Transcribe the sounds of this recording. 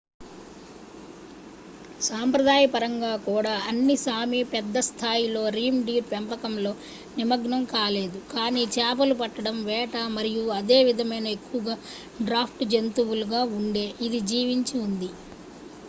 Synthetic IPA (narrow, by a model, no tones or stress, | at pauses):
saːmpɾɐd̪aːjɐpɐɾɐŋɡaːkuːɽaːɐnːisaːmipɛd̪ːɐst̪ʰaːjilo̞ːɾiːmɖiːɾpɛmpɐkɐmlo̞ː | nimɐɡnɐmkaːle̞ːd̪ukaːniːt͡ʃɛːp̬ɐlupɐʈːɐɽɐmʋɛːʈamɐɾijuɐd̪e̞ːʋid̪ʱɐmɐjnɐekːuʋɐɡaː | ɖɾaːpʰʈd͡ʒent̪uwuluɡaːuɳɖe̞ːʔid̪id͡ʒiːʋiɲt͡ʃiund̪i